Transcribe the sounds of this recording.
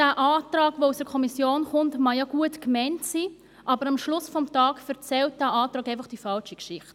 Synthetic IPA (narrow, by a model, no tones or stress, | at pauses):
d̥æːʔaːtɾɑːɡʋousdəɾkʰɔmisjoːnχʊntmɑjaɡ̥uətkmɛɪntsiː | ʔɑbəɾɑmʃlʊsfɔmtɑːkfɛɾt͡sɛlt̚d̥æːʔɑːtɾʁɑːkaɪfɑχd̥ifɑlʃikʃɪχt